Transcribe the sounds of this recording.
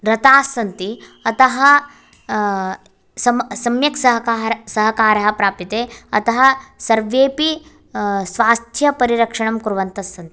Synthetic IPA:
ɾɐt̪aːsːɐnt̪i | ɐt̪ɐɦɐ | sɐmsɐmjɐksɐɦɐkaːɾsɐɦɐkaːɾɐɦɐpɾaːpit̪eːɐt̪ɐɦɐsɐɾʋeːpi | sʋaːst̪ʰjɐpɐɾiɾɐkʂɐɳɐmkuɾuʋɐnt̪ɐsːɐnt̪i̥

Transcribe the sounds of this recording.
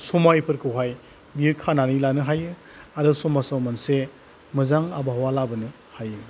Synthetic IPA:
sumajpʰɯɾkʰɯwɦaj | biɯkʰananilanɯɦajɯ | aɾɯsumasawmanse | mɯzaŋabaɦawalabɯnɯ | hajɯ

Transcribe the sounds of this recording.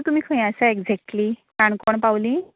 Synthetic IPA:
t̪um̤ikʰə̃j̃asaeɡd͡zɛk̚ʈlikaɳkɔɳpawlĩ

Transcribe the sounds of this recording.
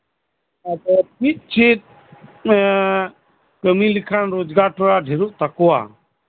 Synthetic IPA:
ad̪ɔmit̪̚ˀt͡ʃit̪̚ | kəmilikʰanɾod͡ʒɡaɾʈʰɔɾaɖʱɛɾuʔt̪akɔwa̰

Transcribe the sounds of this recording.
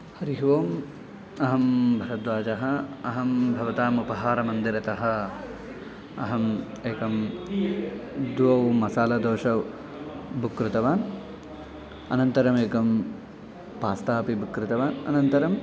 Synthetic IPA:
hɐɾiɦʋoːm | ɐɦɐmbʱɐɾɐd̪ʋaːt͡ʃɐɦɐɐɦɐmbʱɐʋɐt̪aːmupɐɦaːɾɐmɐnd̪iɾɐt̪ɐɦɐ̆ | ɐɦɐm | eːkɐm | d̪ʋɐwmɐsaːlɐd̪oːʃɐ | bʱukɾut̪ɐʋaːn | ɐ̰nɐnt̪ɐɾɐmeːkɐm | paːst̪aːpibʱukɾut̪ɐʋaːnɐ̰nɐnt̪ɐɾɐm

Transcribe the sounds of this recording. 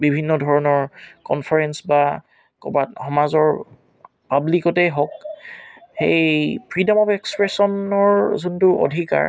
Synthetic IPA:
bibʱinːɔdʱɔɹɔnɔɹkɔ̰nfʰaɹɛnsba | kɔ̰batxɔmazɔɹ | pablikɔtɛɦɔk̚ | xejpʰɹidamɔpɛkspɹesɔnɔɹzuntʊo̰dʱika̰ɹ

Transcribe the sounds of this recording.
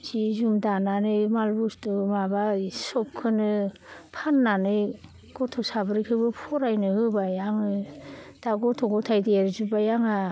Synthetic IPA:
zizumdananɯjmalbustumabasɔp̚kʰɯnɯpʰanːanɯj | ɡ̥ɔtʰɔsabɯɾikʰɯbɯpʰɔɾajnɯhɯbajaŋɯd̥aɡɔtʰɔɡɔtʰajdiaɾzubajaŋa

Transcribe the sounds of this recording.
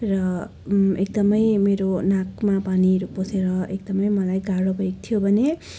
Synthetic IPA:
rʌ | ekd̪ʌmʌjmeɾonãkmapaniɾupːoseɾʌekd̪ʌmʌjmʌlajɡaɽʌbʱʌjk̚t̪ʰijobʱʌne

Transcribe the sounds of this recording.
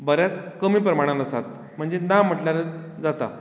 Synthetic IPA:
bəɾjat͡skəmiːpɾəmaɽ̃ãləsat̪ | m̤əɳd͡zenam̤əʈlaɾe | d͡zat̪a̰

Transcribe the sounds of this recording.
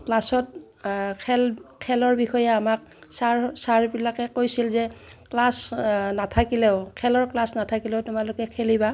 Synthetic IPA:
klasɔt | kʰɛlkʰɛlɔɹbixɔjɛamak̚ | saɹsaɹbilakɛkojsilzɛklasnatʰakilɛʊkʰɛlɔɹklasnatʰakilɛʊtʊmalʊkɛkʰeliba

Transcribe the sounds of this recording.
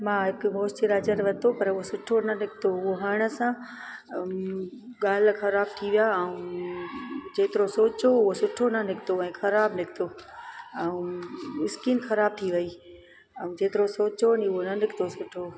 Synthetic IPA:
mãːɦɪkmoːstiɾaːd͡ʑəɾʋɐt̪opɐɾʊɦosʊʈʰonɐnɪkt̪oʊɦoɦɐɽ̃ə̆sã | ɠaːlxɐɾaːb̚t̪ʰiʋijaɛũ | d͡ʑeːt̪ɪɾosoːt͡ɕoʊɦosʊʈʰonɐnɪkʰt̪oɛ̃ːxɐɾaːbnɪkʰt̪oːɛ̃ũɪskiːnxɐɾaːb̚t̪ʰiʋɐiː | ɛ̃ũd͡ʑeːt̪ɪɾosoːt͡ɕoniʊɦonɐnɪkʰt̪osʊʈʰo

